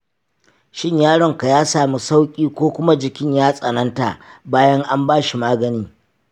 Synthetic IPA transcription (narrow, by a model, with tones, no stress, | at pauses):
ʃɪ˦ɲjaː˦ɽɔ˨ŋka˨jaː˦saː˨mu˦sa˦wkʲʼiː˦kʷoː˦kʷʊ˦ma˦d͡ʒɪ˨kʲɪ˦ɲjaː˦sʼɐ˨nɐ˦nta˨baː˦jɐ˦ŋʔa˦mbaː˦ʃi˨maː˦ɡɐ˨niː˦